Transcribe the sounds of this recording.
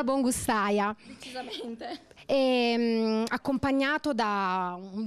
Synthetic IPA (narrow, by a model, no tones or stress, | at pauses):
bɔŋɡust̪ajat͡ʃiee | ɛmakːompaɲːaːt̪od̪au